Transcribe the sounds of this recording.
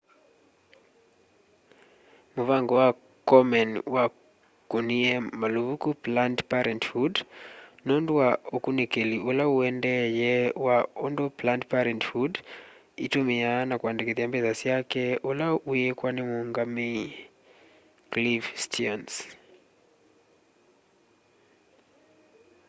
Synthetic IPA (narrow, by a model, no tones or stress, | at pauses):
muvaŋɡɔwa | kɔmɛnwa | kuniɛmaluukuplantpaɾɛnthudnɔndwwaokunekeliulauɛndɛjɛwaondoplantpaɾɛnthud | itumianakwandekeðiambɛzasijakɛolaujekwanemuŋɡami | klifstʰiɔns